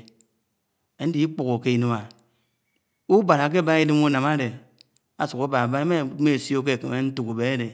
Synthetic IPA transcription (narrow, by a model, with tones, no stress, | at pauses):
e˨˦n̩˦i˦i˦k͡pu˨ko˨ke˦i˨no˨a˨ | u˦ba˨ɾa˨k̬e˦˨ba˦i˦di˦mu˦na˨ma˦de˨ | a˨su˨ko˦ba˨ba˦e˦me˦˨me˦˨sjo˦k̬e˦˨ke˨me˦n̩˦tu˨ku˨be˨e˦de˨